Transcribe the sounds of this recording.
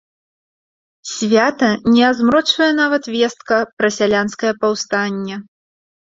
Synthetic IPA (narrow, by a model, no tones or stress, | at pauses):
sʲvʲat̪ɐnʲɛazmɾɔt͡ʂvɐjɛn̪avɐt̪vʲɛst̪̚kɐpɾɐsʲalʲanskɐjɐpawst̪anʲːɐ